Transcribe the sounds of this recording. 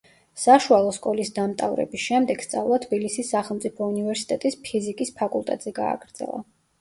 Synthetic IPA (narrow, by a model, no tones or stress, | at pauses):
saʃualˠɔskʼɔlisd̪amt̪ʼavɾɛ̰bisʃɛmd̪ɛɡ̥st̪sʼa̰vlˠat̪ʰbilisisːaχɛlˠmt̪sʼipʰɔunivɛɾsi̥t̪ʼɛt̪ʼispʰizikʼispʰakʼulˠt̪ʼɛ̰t̪ʼz̥ɛɡa̰ːɡɾd̪z̥ɛ̰lˠa̰